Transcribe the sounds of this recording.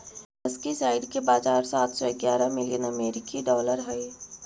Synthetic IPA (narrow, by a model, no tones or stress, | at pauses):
ɐskisaːɪɖkebaːzaːɾsaːt̪ʰsɔɪɡjaːɾamɪljənɐmeːɾɪkiɖɔːləɾɦɛe